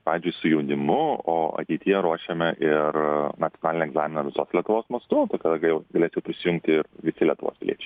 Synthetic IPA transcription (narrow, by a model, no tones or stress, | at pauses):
pɑːʋʲiːzʲd͡ʒʲʊɪsʊjɛʊnʲɪmʊoːɐ̰t̪ʲɛɪt̪ʲɪjɛɾuɔʃʲemʲɛʔɪrnɐt̪t͡s̪ʲjonɑːlʲɪnʲɛɡzɑːmʲɪnɐʋʲɪsoːslʲiɛt̪ʊʋoːsmɐst̪ʊt̪ɐkɐd̪ɐɡɐjɛʊɡɐlʲeːsjɛʊpʲɾʲɪsʲɪjʊ̃ŋkt̪ʲɪɪrʋʲɪsʲɪlʲiɛt̪ʊʋo̰ːspʲɪlʲḭɛt͡ʃʲɛ̥ɪ